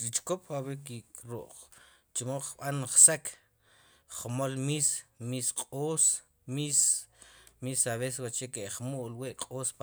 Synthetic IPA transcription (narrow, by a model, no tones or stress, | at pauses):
ɾit͡ʃkopawek̬ikɾo̰ʔχ | t͡ʃmoχɓanχsakʰ | χmolmismisqʼoːs | mis | misaβes̬ewat͡ʃekeʔχmoʔlweʔqʼoːsp